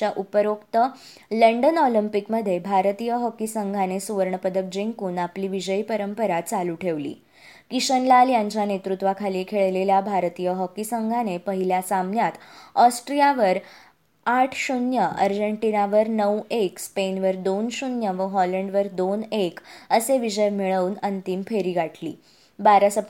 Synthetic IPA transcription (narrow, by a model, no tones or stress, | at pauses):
aʔupəɾokt̪ə | ləɳɖənɔlimpikməd̪ʱːjebʱaɾt̪ijəɦəkisəŋɡʱanesuʋəɾɳəpəd̪ək̚d͡ʑiŋkuːnapliːʋid͡ʑəjpəɾəmpəɾat͡saluːʈʰeʋlḭː | kiɕənlaljaɲt͡ɕjanet̪ɾut̪ʋakʰaliːkʰeɭleljabʱaɾt̪ijəɦəkːisəŋɡʱanepəɦiljasamnjat̪ɔsʈɾijaʋəɾ | aʈʰɕunjəʔə̰ɾd͡ʑeɳʈinaʋəɾnəwekspenʋəɾd̪onɕunjəʋəɦɔləɳɖʋəɾd̪onekəseʋid͡ʑəjmiɭəuːnənt̪imfʰeɾiːɡʱaʈʰlḭː | baɾəsə